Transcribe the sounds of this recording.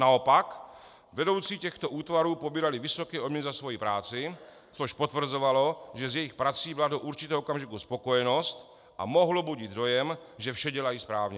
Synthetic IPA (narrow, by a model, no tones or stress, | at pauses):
nao̞pak | vɛdo̞wt͡siːcɛxt̪o̞ʔuːt̪vaɾuːpobiːɾalɪvɪso̞kɛːʔodmɲɛnzasvo̞jipɾaːt͡sɪ | t͡soʃpo̞t̪vr̩zo̞valo̞ʒɛzjɛjɪxpɾat͡siːbɪladoʔuɾt͡ʃɪt̪ɛːɦookamʒɪkuspo̞ko̞jɛno̞st̪ | ʔa̰mo̞ɦlobuɟid̪do̞jɛmʒɛfʃɛɟɛlajiːspɾaːvɲɛ